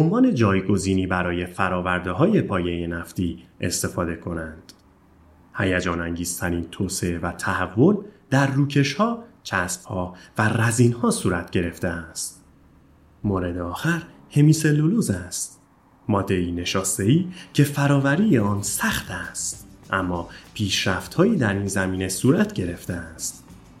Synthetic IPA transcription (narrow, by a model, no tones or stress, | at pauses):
eonvɒːne̞d͡ʒɒːjɡo̞ziːniːbæɾɒːje̞fæɾɒːvæɾd̪eɦɒːje̞pʰɒːje̞je̞næft̪iːe̞̰st̪e̞fɒːd̪e̞kʰo̞nænd̪̥ | hæjæd͡ʒɒːnæŋɟiːz̥t̪ʰæɾiːnt̪ʰoːseevæt̪ʰæhævːo̞nd̪̥æɾːuːcʰe̞ʃhɒːt͡ʃʰæsb̚hɒːværæziːnhɒːsuːɾæt̪ʰɟe̞ɾe̞ft̪e̞æst̪ | moːɾe̞d̪eɒːxæɾhe̞miːse̞loluːzæst̪ | mɒːd̪ːe̞iːneʃɒːst̪e̞iːcʰe̞fæɾɒːvæɾiːjeɒːnsæxt̪ʰæst̪ʔæmːɒːpʰiːʃɾæft̪hɒːiːd̪æɾiːnzæmiːnesuːɾæt̪ʰɟe̞ɾe̞ft̪eæst̪